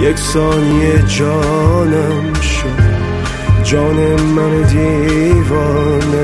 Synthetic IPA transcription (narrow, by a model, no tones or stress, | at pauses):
jeksɒːnijed͡ʒɒː | næ | m | ʃod̪ | d͡ʒɒːnemænod̪ivɒːne